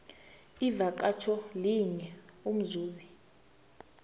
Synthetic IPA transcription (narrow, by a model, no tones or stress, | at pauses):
ivak̬at͡ʃʰɔliɲɛum̩zuːzi